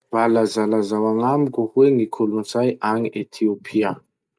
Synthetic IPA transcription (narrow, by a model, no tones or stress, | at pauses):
b̥alazalazawanamikʲuhweŋikʰulunzajʔaŋiʔet̪ʰiopʰia